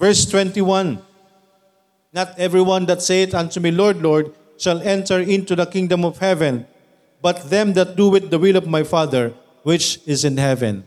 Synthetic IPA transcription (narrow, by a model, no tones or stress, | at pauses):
vɛɹst̪wɛ̃nt̪iwʌ̃n | nat̪ɛvɹiwãnd̪ɐt̪seɪt̪ãnt̪umilɔɹd̪lɔɹd̪̚ | ʃalɛ̃nt̪ɛɹɪ̃nt̪uðɐkɪ̃ŋd̪ɔ̃mɔv̥hɛvɛ̃n | bʌt̪̚ðɛ̃md̪ɐt̪̚d̪uwɪðːɐwɪlɔvmajfaðəɹ | wɪt͡ʃɪzɪ̃nhɛvɛ̰̃n